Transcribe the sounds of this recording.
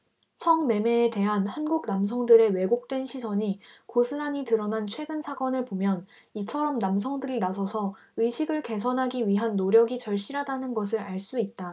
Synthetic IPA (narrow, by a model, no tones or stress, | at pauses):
sʰʌŋme̞me̞ːte̞ɦanhanɡuɡ̚nams̬ʰʌŋdɯɾe̞we̞ɡok̚t͈we̞nɕʰisʰʌɲikosʰɯɾaɲitɯɾʌnant͡ɕʰwe̞ɡɯnsʰak͈ʌnɯɭpomjʌn | it͡ɕʰʌɾʌmnams̬ʰʌŋdɯɾinasʰʌsʰʌ | ɯjɕʰiɡɯɭke̞sʰʌnɦaɡiɥiɦanːoɾjʌɡit͡ɕʌɭɕ͈iɾɦadanɯnɡʌs̬ʰɯɾaɭs͈uit̚t͈a